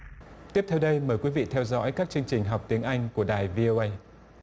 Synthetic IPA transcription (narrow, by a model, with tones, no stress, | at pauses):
t̪i˦˥əp̚t̪ʰɛ˧wɗə˧jməː˨˩jkwi˨˦vḭ˧˨t̪ʰɛ˧wzɔ̰˧˥jkaː˦˥k̚t͡ɕɨ˧əŋt͡ɕï˨˩ŋ̟ɦɔ˨˩wk͡p̚t̪i˨˦əŋʔa˧jŋ̟ku˧˩əɗaː˨˩jvi˧ʔo˧ʔə˧j